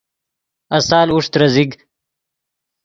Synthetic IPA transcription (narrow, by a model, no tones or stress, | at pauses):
ɐsaːluʂt̪ɾɐziɡ